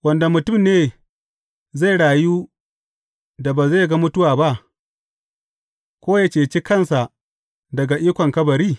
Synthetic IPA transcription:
wɐ˨nda˨mʊ˨tʊ˦˨mneː˨ | za˦˨ɽaː˨juː˦ | da˨baː˨za˦˨ɡa˦mʊ˦tʊ˦waː˨ba˦ʔ | kʷoː˦ja˦t͡ʃeː˨t͡ʃi˦kɐ˦˨nsa˨ʔ | dɐ˨ɡa˨ʔiː˦kʷɔ˨ŋkɐ˦bɐ˨ɾiː˦˨

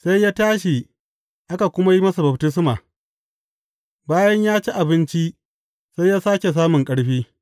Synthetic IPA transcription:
sa˦jjaː˦taː˦ʃi˨ | ʔa˦ka˨kʷʊ˦ma˦ji˦mɐ˦sa˨bɐ˨btɪ˦s̬maː˨ | baː˦jɐ˦ɲjaː˦t͡ʃi˦ʔa˨bɪ˦nt͡ʃi˦ | sa˦jjaː˦saː˦kʲe˨s̬aː˦mʊ˨ŋkʼɐ˦ɽɸiː˦

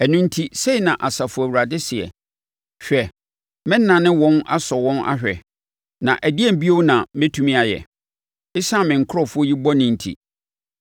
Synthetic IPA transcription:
æ˨nʊ̃˦n̩˦tʰi˦se˦i˨nã˨ʔa˨sa˨fʊ˨æ˨wu˨ɾa˨dɪ˦sɪ˨ɛ̰˨ | ɕᶣɛ˨ | mɪ̃˦n˦nã˨nɪ̃˦wɔ̃˦na̰˦sɔ˨wɔ̃˦na̰˦ɕᶣɛ˨ | nã̰˨ʔæ˨di˦ɛ˦˨m̩˨bi˦o˦wnã˨mɪ̃˦tʰũ˦mĩ˦a˨jɛ̰˨ | ɪ˦sã˦˨mɪ̃˨ŋ̩˨kʰʊ˦ɾɔ˦˨fʊ˦ɔ˦ji˦bɔ˦nɪ̃˨n̩˨tʰḭ˨

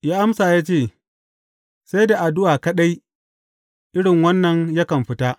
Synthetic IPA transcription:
jaː˦ʔa˦msaː˨jaː˦t͡ʃeː˦˨ | sa˦jda˨ʔa˨dʊ˦ʔaː˨kɐ˦ɗa˦j | ʔɪ˦ɽɪ˨ŋwɐ˦nːɐ˨ɲja˦kɐ˨mɸɪ˦ta˦ʔ

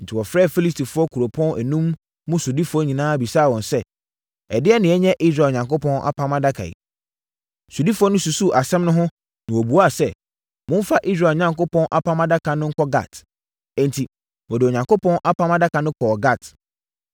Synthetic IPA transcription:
n̩˨tʰi˨wɔ˨fɾɛː˦˨fi˦li˦s̬tʰi˨fʊ˦ɔ˦kʰu˨ɾo˨pʰɔ̃˦nʔɛ˨nũ˦mː | ʊ̃˦su˨di˦fɔ˦ɲĩ˨nãː˦bi˨saː˦˨wɔ̃˨nsɛ˦ | ɛ˨dɪ˦ɛ˦nɪ̃˨ɛ˦ɲɛ̃˦ʔi˦s̬ɾa˨ɲã˨ŋko˦pʰɔ̃˦nʔa̰˦pʰã˦mã˦da˦kʰa̰˨ḭ˨ | su˨di˦fʊ˦ɔ˦nʊ̃˦su˨su˦ʔa˨sɛ̃˦mnʊ̃˦ɦʊ̃˦ | nɪ̃˨ɔ˨bu˨a˦˨sɛ˦˨ | mʊ̃˦n˦fa˦ʔi˦s̬ɾaː˨ɲã˦ŋko˦pʰɔ̃˦nʔa˦pʰã˦mã˦da˦kʰa˨nʊ̃˦ŋ̩˦kɔ˦ɡa̰˦˨t | ɛ̃˨n˨tʰi˨ | wɔ˨dɪ˨o˨ɲã˨ŋko˦pʰɔ̃˦nʔa˦pʰã˦mã˦da˦kʰa˨nʊ̃˦kʰɔ˨ɔ˨ɡa˦˨t

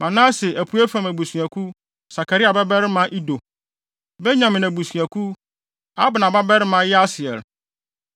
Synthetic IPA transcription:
mã˨nã˦sɪ˨ʔæ˨pʰu˦æ˦fã˨mæ˨bu˨sɥæ˨kʰu˦ | sa˨kʰa˨ɾi˦a˨bɛ˦bɛ˦ɾɪ˦mã˦ʔi˦do˨ | bɛ˦ɲã˨mɪ̃˨næ˨bu˨sɥæ˨kʰu˦ | a˦bʊ˨nã˨ba˦bɛ˦ɾɪ˦mã˦jɛ˦a˦sɪ˨ɛ̰˨l

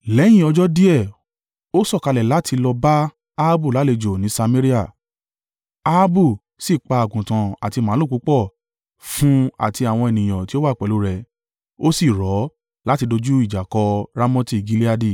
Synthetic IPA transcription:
lɛ˨˦j̃ĩ˦˨ɔ˧d͡ʒɔ˦di˦ɛ˦˨ | o˦sɔ˦˨ka˧lɛ˨la˨˦ti˧lɔ˧ba˦ | a˧a˦bu˦˨la˨˦le˧d͡ʒo˨nĩ˨˦sa˧mẽ˦ɾi˦a˦˨ | a˧a˦bu˦˨ | si˦˨k͡pa˧a˨ɡũ˨tã˨a̰˨ti˧mã˨˦o˦˨ku˨˦k͡pɔ˦˨ | fũ˦a̰˦˨ti˧a˨w̃ɔ̃˧e˨nĩ˨j̃ã˨ti˦o˦wa˦˨k͡pɛ˨lu˨˦ɾɛ˨ | o˦si˦˨ɾɔ˨˦ | la˦ti˧do˧d͡ʒu˦i˦˨d͡ʒa˨kɔ˧ɾa˧mɔ̃˦ti˦˨ɡi˧li˦a˧di˦˨

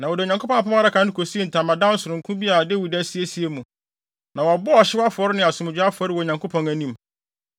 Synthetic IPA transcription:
nã˨wɔ˨dɪ˨ɲã˨ŋkʰo˦pɔ̃˦˨pʊ̃˦a˦ɾa˦kʰã˦n˦ɪ˦kʰo˨si˦e˦˨n̩˨tʰã˨mã˨dã˦n̩˦sʊ˨ɾʊ̃˨kʰũ˦bi˦a˨de˦wi˨dæ˦si˦e˦si˦e˨mũ˨ | nã˨wɔ˨bɔ˦a˨ɕɪ˦a˦fʊ˨ɔ˨˦ɾɪ˦nɪ̃˨a˨sʊ̃˨mɪ̃˨d͡ʑᶣa˦fʊ˨ɔ˦ɾɪ˦wɔ˨ɲã˨ŋkʰo˦pʰɔ̃˨ŋæ˨nĩ˦˨m

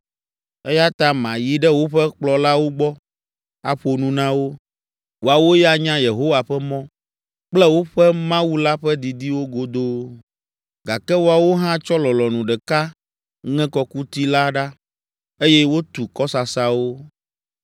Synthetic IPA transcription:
e˦ja˦t̪ã˦mã˨ji˦ɖɛ˦wo˦ɸɛ˦k͡plɔ˨la˦wo˦ɡ͡bɔ˦ | a˨ɸo˨nũ˦nã˦wo˦ | wo˨a˨wo˦ja˦ɲã˦je˨ɦo˦wa˨ɸɛ˦mɔ̃˦ | k͡plɛ˦wo˦ɸɛ˦mã˦wu˦la˦ɸɛ˦d̪i˨d̪i˦wo˦ɡo˨d̪o˦ | ɡa˨kɛ˦wo˨a˨wo˦ɦã˦t͡ʃɔ˦lɔ˨lɔ˨nũ˨ɖɛ˨ka˦ | ŋɛ̃˦kɔ˨ku˦t̪i˦la˦ɖa˦ | e˦jɛ˦wo˦t̪u˨kɔ˦sa˨sa˨wo˦

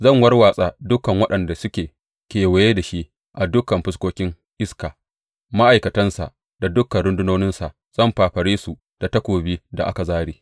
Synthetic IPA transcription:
zɐ˦˨ŋwɐ˦rwaː˨sʼa˦dʊ˦kɐ˨ŋwɐ˦ɗɐ˨nda˨sʊ˦kʲeː˨ | kʲeː˨we˨jeː˦da˨ʃi˦ | ʔa˨dʊ˦kɐ˨mɸɪ˦s̬kʷoː˦kʲɪ˦ŋ | ʔɪ˦skaː˨ | ma˦ʔa˨jkɐ˨tɐ˦nsa̰˨ʔ | d̥a˨dʊ˦kːɐ˨nɾʊ˦ndʊ˦noː˦nɪ˦nsa˨ʔ | z̥ɐ˦˨mɸaː˨ɸɐ˨ɽeː˦su˨ | d̥a˨tɐ˦kʷoː˨biː˦da˨ʔa˦ka˨zaː˦ɽiː˦

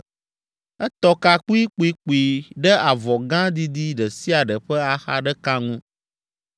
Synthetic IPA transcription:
ɛ˦t̪ɔ˦ka˦k͡pu˦i˦k͡pu˦i˦k͡pu˨i˨ɖɛ˦a˨vɔ˨ɡã˦d̪i˦d̪i˦ɖɛ˨si˦a˨ɖɛ˨ɸɛ˦a˦xa̰˦ɖɛ˦ka˦ŋũ˦

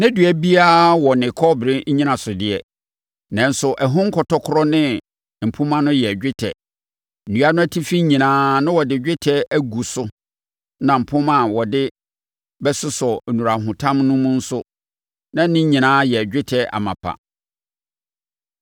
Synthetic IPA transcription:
næ̃˦dɥæ˨bi˦a˦wɔ˨nɪ̃˨kʰɔ˦bɪ˨ɾɪ̃˦ɲĩ˦nã˨sʊ˨dɪ˨ɛ˨ | nã˨n̩˦sʊ˨ʔɛ˨ɦʊ̃˦ŋ̩˦kʰɔ˨tʰɔ˦kʰʊ˦ɾɔ˦nɪ̃˦ | m̩˨pʰʊ̃˦mã˦nʊ̃˦jɛ˨d͡ʑᶣɪ˦tʰɛ̰˨ | n̩˨nũ˦a˦nʊ̃˦æ˦tʰi˦fi˦ɲĩ˨nãː˦nʊ̃˦wɔ˨dɪ˨˦d͡ʑᶣɪ˦tʰɛ˦æ˦ɡu˨sʊ˦ | nã˨m̩˨pʰʊ̃˦mã˨wɔ˨dɪ˦ | bɛ˦sʊ˦sɔ˨nũ˨ɾa˨ɦʊ̃˨tʰã˦mnʊ̃˦mũ˦n̩˦sʊ˦ | nã˦nɪ̃˦ɲĩ˨nãː˨˦jɛ˨ɟᶣɪ˦tʰɛ˦ʔa̰˨mã̰˨pʰa̰˨

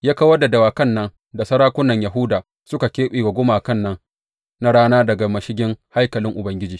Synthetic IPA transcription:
jaː˦ka˦wɐ˦da˨dɐ˨waː˨kɐ˦˨nːɐ˦n | da˨sɐ˦ɾaː˦kʷʊ˦nːɐ˨ɲja˨ɦʊ˦daː˨ | sʊ˦ka˨kʲeː˦ɓeː˨ɡa˨ɡʷʊ˦maː˨kɐ˦nːɐ˦n | na˦ɽaː˦naː˦dɐ˨ɡa˨mɐ˨ʃɪ˦ɡʲɪ˦ŋha˦jkɐ˨lɪ˦ŋʔʊ˨bɐ˨˦ŋɡʲɪ˦d͡ʒiː˨

